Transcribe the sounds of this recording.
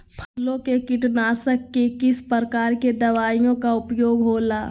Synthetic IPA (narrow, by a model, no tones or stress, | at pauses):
pʰəlõkekɪʈnaːsəkːekɪspəɾkaːɾked̪ɐʋaːijõkaʊpjoːɡɦoːlaː